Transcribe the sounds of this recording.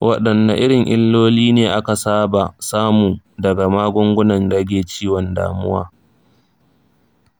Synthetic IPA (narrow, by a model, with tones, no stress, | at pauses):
wʔɐ˦ɗɐ˨nːa̰˨ʔɪ˦ɽɪ˨ŋʔɪ̰˦lːoː˦liː˦neː˨ʔa˦ka˨saː˦ba˨saː˦muː˨ | dɐ˨ɡa˨maː˦ɡʷʊ˦ŋɡʷʊ˦nɐ˨ndɐ˦ɡʲeː˨t͡ʃiː˦wɔ˨nda̰ː˨mʊ̰˦wa̰ː˦